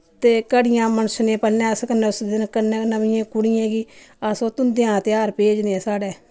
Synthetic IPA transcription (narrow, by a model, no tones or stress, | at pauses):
t̪eːkəɽɪjãːmənsnẽːpəlnɛ̃ːskənʊsd̪ɪnkəneːnəʋɪjãːkʊɽɪjẽːɡiːəsoːt̪ʊnd̪ɪjãːt̪ɪjaːɾpeːd͡ʒnesaːɽeː